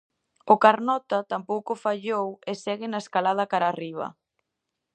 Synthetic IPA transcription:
ʊkaɾnɔt̪at̪ampowkʊfaʎowesɛɣɪnaeskalað̞ɐkaɾariβ̞ɐ̰

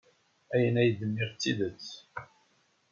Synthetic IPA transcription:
æjənæjəd̪əmːiʁt͡sːiðət͡sː

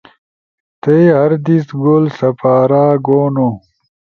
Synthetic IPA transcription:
t̪ejɦɐɾd̪isɡoːlsɐpaːɾaːɡoːno

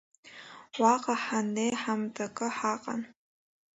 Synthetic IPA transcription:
waqʼaħanejħamtʰʼakʼɨħaqʼa̰n

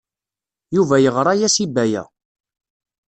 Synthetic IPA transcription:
juvæjəʁɾˤɑjæsibæjæ̰

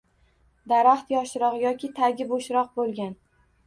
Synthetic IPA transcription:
d̪aɾaχt̪jɒʃɾɒʁjɒkʲʰɪt̪ʰaɡʲɪboʃɾɒq̚bolˠɡʲan

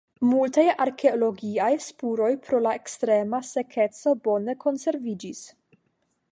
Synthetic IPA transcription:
multajaɾkʰe̞olo̞ɡiajspuɾo̞jpɾo̞laekstɾe̞mase̞kʰe̞t͡so̞bo̞ne̞kʰo̞nse̞ɾvid͡ʒis

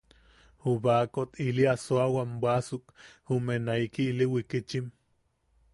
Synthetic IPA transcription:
huβakot̪ʰiliasoawambwasukhumenaikiːliwikit͡ʃim

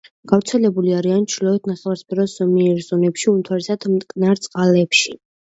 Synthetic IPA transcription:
ɡ̥avɾt̪sʰɛlɛbuliaɾiant͡ʃʰɾilɔɛt̪̚ʰnaχɛvaɾspʰɛɾɔsɔmiɛɾzɔnɛpʃiumt̪ʰwaɾɛsad̪mt̪ʼkʼnaɾt̪sʼqʼalɛpʃi

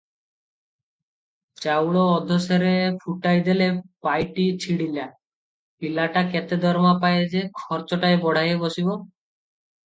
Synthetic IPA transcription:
t͡ʃawɽɔːd̪ʱɔseɾepʰuʈajd̪elepajʈit͡ɕʰiɽila | pilaʈakɛt̪ed̪ʱɔɾmapajed͡ʑekʰɔɾt͡ʃɔʈaebɔɽ̤ʱajebosibo

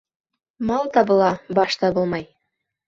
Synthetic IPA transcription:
mɑlˠt̪ɑbɤ̆lˠɑbɑʃt̪ɑbɤlˠmɑj

